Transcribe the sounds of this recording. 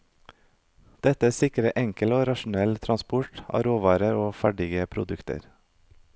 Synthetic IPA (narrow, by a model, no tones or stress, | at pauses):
d̪̥ɛt̪əsɪkɾəʔɛŋkəloːɾɑʃn̩ɛlt̪ʰɾɑnspʊʈɑ̰ːɾoːʋɑːɾəɾoːfæɖɪɡəpʰɾʊ̰d̪ʉkt̪ə̰ɾ